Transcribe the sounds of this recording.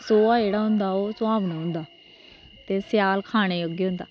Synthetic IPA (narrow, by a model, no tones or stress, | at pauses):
soːaːeːɽaːɦʊ̃nd̪aːoːsʊãːbnaːɦʊ̃nd̪aː | t̪eːsjaːlkʰaːɽ̃eːoɡeːɦʊ̃nd̪a̰ː